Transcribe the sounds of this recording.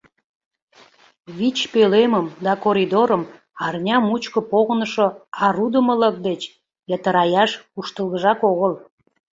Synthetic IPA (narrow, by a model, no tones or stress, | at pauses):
βit͡ɕpeleməmd̪ɑkoɾʲid̪oɾəm | ɑrnʲɑmut͡ɕkə̆poɣənəʃoɑɾud̪əmələk̚d̪et͡ɕ | jət̪əɾɑjɑʃuʃt̪əlˠɣəʒɑkoɣəl